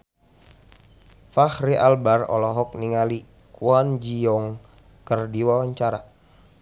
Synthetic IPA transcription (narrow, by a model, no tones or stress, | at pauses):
fahɾiʔalbarɔ̰lɔɦɔk̚niŋali | kuand͡ʒiɔŋ | kərdiwawaɲt͡ʃaɾa